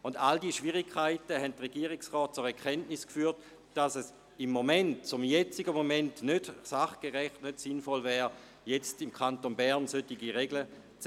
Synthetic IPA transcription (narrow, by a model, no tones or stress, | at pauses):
ʊndaldiːʃviʁɪkʰːaɪtəɦɛntʁeɡ̥iəʁiksʁɔːt̚t͡sʊɾɛɐkʰɛntniskfyːɐt | d̥asəs | imːomɛntt͡sʊmjɛt͡siɡəmomɛntnød̥saχɡ̥eʁɛχtnødsinfɔlvɛːʁ | jet͡stimkʰantonbɛɐnsøtiɡiʁeɡlə | t͡s